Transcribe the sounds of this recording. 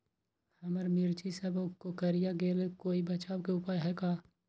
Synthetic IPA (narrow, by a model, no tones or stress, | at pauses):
hɐməɾmiɾt͡ʃisəbkːokəɾijaɡeːlekoːibɐt͡ʃaːwkeʊpaːjɦɛkaː